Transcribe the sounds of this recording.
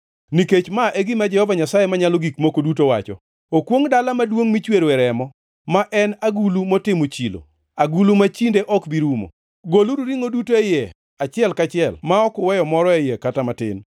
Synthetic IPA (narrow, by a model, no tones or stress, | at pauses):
niket͡ʃmaʔeɡɪmad͡ʒɛhɔvaɲasajemaɲaloɡikmokodutowa̰t͡ʃɔ̰ | okwoŋdalamadwoŋmit͡ʃweɾɛɾɛmɔ | maʔɛnaɡulumɔtɪmot͡ʃilo̰ | aɡulumat͡ʃindeʔɔkbiɾumo̰ | ɡoluɾuɾiŋodutoejɛ | at͡ʃɪɛlkat͡ʃɪɛlmaɔkʊwɛjɔmɔɾɔejɛkatamatɪ̰n